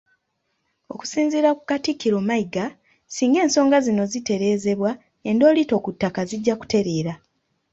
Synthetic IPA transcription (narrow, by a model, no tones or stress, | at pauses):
o̞̰ku̥siːnziɾaku̥katikːiɾo̞ːmaiɡa | siːŋɡe̞ːnso̞ːŋɡazino̞zite̞ɾe̞ːze̞βwa | endo̞ːlito̞ːkutːakaziɟːaku̥te̞ɾe̞ːɾa